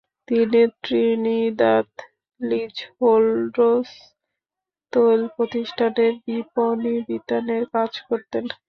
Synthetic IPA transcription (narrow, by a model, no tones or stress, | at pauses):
t̪init̪ɾinid̪at̪ | lid͡ʑholɖɾos | t̪olpɾot̪iʃʈʰaneɾbiponibit̪aneɾkad͡ʑkoɾt̪en